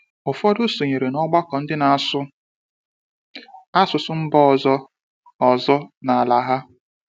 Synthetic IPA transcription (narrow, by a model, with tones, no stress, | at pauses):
ʊ˨fɔ˦dʊ˦so˨ɲe˨ɾe˨nɔ˦ɡ͡ba˦kɔ˨n̩˦dɪ˦na˨a˨sʊ˦ | a˦sʊ˨sʊ˦m̩˦bɔ˦ɔ˨zɔ˦ | ɔ˨zɔ˦na˨a˨la˨ɦa˦